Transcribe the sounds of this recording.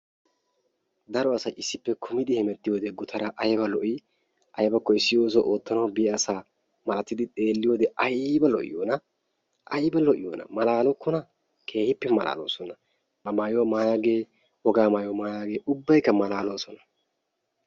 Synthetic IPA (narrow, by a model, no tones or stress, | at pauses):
d̪ɐɾɔɐsɐjɪsːɪpːɛkʰʊmɪd̪ɪhɪmɛt̪ːɪjoːd̪ɛɡʊt̪ʰɐɾɐʔɐjbɐlɔʔɪ | ʔɐjbɐkːɔɪsːɪjo̞ːs̬ɔʔoːt̪ːɐnɐwbɪʔɛɐsaː | mɐɐt̪ːɪd̪ɪt̪ʼe̞ːlːɪjoːd̪ɛʔɐjbɐlɔ̰ʔɪ̰joːnɐ | ʔɐjbɐlɔʔɪ̰jo̰ːnɐ̰mɐlaːlɔkːɔnɐ | kʰe̞ːhɪpːɛmɐla̰ːlo̰ːsɔnɐ | bɐmaːjomaːjaːɡe̞ː | wɔɡaːmaːjɔmaːjaːɡeːʔʊbːɐjkːɐmɐlaːloːsɔnɐ̥